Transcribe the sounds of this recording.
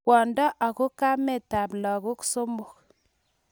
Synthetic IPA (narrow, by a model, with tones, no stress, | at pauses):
wɔ˨ndɔ˦ʔa˨ku˦ka˦me˦˨ta˨blɔ˨ku˦ku̥˦so˦mbo˨k